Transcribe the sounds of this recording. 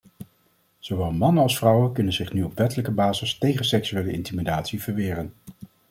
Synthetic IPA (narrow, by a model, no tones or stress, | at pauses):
z̥owʋɛlˠmɑnənɑlˠsfrʌwənkɵnənzɪχnyɔpʋɛtələkəbaːzəstejχənsɛksyejləɪ̰ntimidaːtsiv̥əɹʋɪːrən